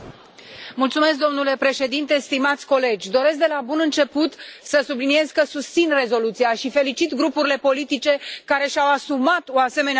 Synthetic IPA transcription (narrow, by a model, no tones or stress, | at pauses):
mult̪sume̞s̬k̚d̪o̞mnule̞pɾe̞ʃe̞d̪int̪e̞st̪imat̪sʲko̞le̞d͡ʒʲd̪o̞ɾe̞s̬k̚d̪e̞labunɨnt͡ʃe̞put̪səsublinie̞zkəsust̪sinre̞zo̞lut̪siaʃife̞lit͡ʃit̪ɡɾupuɾile̞po̞lit̪it͡ʃe̞kaɾe̞ʃawasumat̪oase̞me̞ne